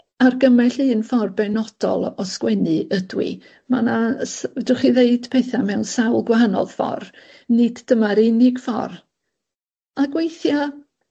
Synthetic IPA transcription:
arɡəmɛɬɨːnfɔrbɛnɔd̥ɔ̰lˠɔskwɛnɨʔədwḭ | manasduχiðeɨd̥pʰeɨθamɛwnsawlˠɡwaɦanɔ̰ðfɔ̰r | nɨdːəmaɾɪnɪɡ̥fɔ̰r | aɡwejθja

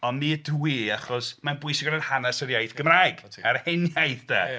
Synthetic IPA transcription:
ɔnmiːəduiaχɔsmanbʊɨsɪɡɔnənhanasəɾjajθɡ̥əmrajɡʰaɾhenjajθda̰

